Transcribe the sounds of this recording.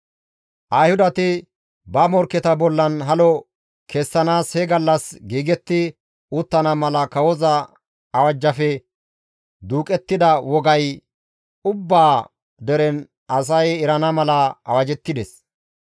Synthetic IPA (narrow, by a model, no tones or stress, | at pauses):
ʔɐjhʊd̪ɐt̪ɪ | bɐmɔɾkːɛt̪ɐbɔlːɐnɦɐlɔ | kʰɛsːɐnaːshɛɡɐlːɐsɡiːɡɛt̪ːɪ | ʊt̪ːɐnɐmɐlɐkɐwɔzɐ | ɐwɐd͡ʒːɐfɛ | d̪uːkʼɛt̪ːɪd̪ɐwɔɡɐj | ʊbːaː | d̪ɛɾɛn | ɐs̬ɐjɪɾɐnɐmɐlɐɐ̰wɐd͡ʒɛt̪ːɪd̪ɛs